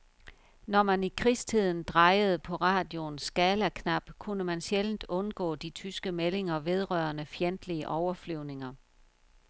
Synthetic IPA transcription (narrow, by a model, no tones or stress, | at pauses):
nɒmænikʰʁisd̥ʰið̞̰ˠn̩d̥ʁɑ̈ɪəð̞̩ˠəpʰɒ̽ʁɑ̈ːd̥jo̝nsɡ̥ɛːlækʰnɑ̈b̥kʰunəmænɕeln̩d̥ɔ̽nɡ̥ɔ̰ːd̥it͡sʰysɡ̥əmele̝ŋɐʋe̝ð̞ˠʁɶɐnəfjend̥liəʔɒʊɐflyʊ̰ne̝ŋɐ